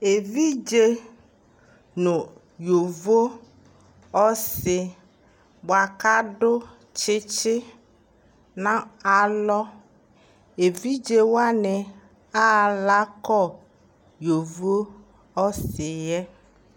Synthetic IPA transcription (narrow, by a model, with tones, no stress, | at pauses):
e˨vi˦d͡ʒe˦ | nʊ̃˨ | jo˨vo˦ | ɔ˦sɪ˨ | bo˨a˨ka˦ɖʊ˦ | t͡ʃɪ˦t͡ʃɪ˦ | nã˦a˨lɔ˦ | e˨vi˦d͡ʒe˦wa˦nɛ˨ | a˦˨la˦kɔ˦˨ | jo˨vo˦ | ɔ˦sɪ˨jɛ˦